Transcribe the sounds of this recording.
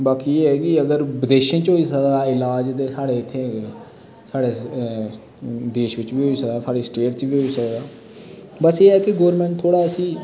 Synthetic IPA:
baːkiːeːɦɛːɡiːəɡəɾbəd̪eːʃə̃t͡ʃɦoːiːsəkd̪aːɪlaːd͡ʒt̪eːsaːɽeːɪt̪ʰːeː | saːɽeː | d̪eːʃʋɪt͡ʃʋiːɦoːiːsəkd̪aːsaːɽeːsʈeːʈt͡ʃʋiːɦoːiːsəkd̪aː | bəseːɦɛːkeɡoːɾmɛ̃ɳʈt̪ʰːoːɽaːəsĩː

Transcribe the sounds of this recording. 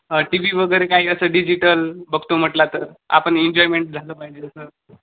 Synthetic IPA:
əʈiʋiːʋəɡəɾekaɦiːəsəːɖid͡ʑiʈəlbəɡt̪om̤əʈlat̪əɾa̰pəɳeɲd͡ʑɔjmeɳʈ̚d͡zʱaləːpaɦid͡ʑeəsə

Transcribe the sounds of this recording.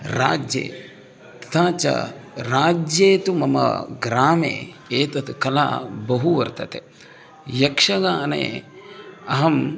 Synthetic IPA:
ɾa̰ːd͡ʒjḛː | t̪ɐ̥t̪ʰaːt͡ʃɐ̰ɾaːd͡ʒjeːt̪umɐmɐ̰ɡɾaːmḛː | eːt̪ɐt̪kɐla̰ːbɐɦuʋɐɾt̪ɐt̪e | jɐkʂɐɡaːnḛː | ɐɦɐm

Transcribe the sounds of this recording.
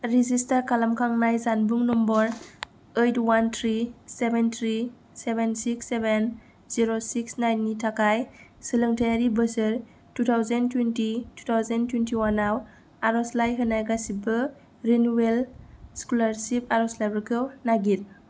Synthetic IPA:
ɾizistaɾkʰalamkʰaŋnajzanbuŋnɔmbɔɾ | ejtwantʰɾisebent̪ʰɾi | sebensiksːeben | ziɾosiksnajnːitʰakajsɯlɯŋtʰajaɾibəsɯɾ | tutʰawzentwentitu̥tʰawzentwentiwanaw | aɾɔslajɦɯnajɡasibɯ | ɾenuwelskulaɾsipaɾɔslajbakʰɯwnaɡil

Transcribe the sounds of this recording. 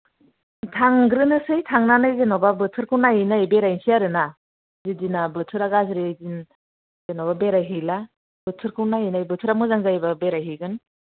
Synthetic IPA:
tʰaŋɡɾɯnɯsɯjtʰaŋnanɯjzenɔbabɯtʰɯɾkʰɯnajinajbeɾajnsijaɾɯna | zidinabɯtʰɯɾaɡazɾiɯjzin | zenɔbabeɾajɦila | bɯtʰɯɾkʰɯnajinajbɯtʰɯɾamɯzaŋzajbabeɾajɦiɡɯn

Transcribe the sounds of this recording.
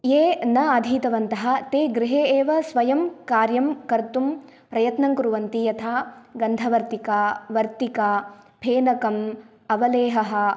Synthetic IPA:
jeːnɐɐd̪ʱiːt̪ɐʋɐnt̪ɐɦɐ̆t̪eːɡɾɪɦeːeːʋɐsʋɐjɐmkaːɾjɐmkɐɾt̪um | pɾɐjɐt̪nɐŋkɾuʋɐnt̪ijɐt̪ʰaːɡɐnd̪ʱɐʋɐɾt̪ikaːʋɐɾt̪ikaːpʰeːnɐkɐm | ɐʋɐleːɦɐɦɐ̆

